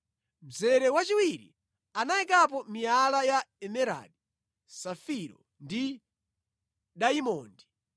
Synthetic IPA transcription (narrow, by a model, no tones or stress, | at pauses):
m̩d͡zɛɾɛwat͡ʃiwiɾḭ | anaikap̬ɔmialajaɛmɛɾa̰ɗi | safiɾɔ̰ | ndi | ɗaimɔːndi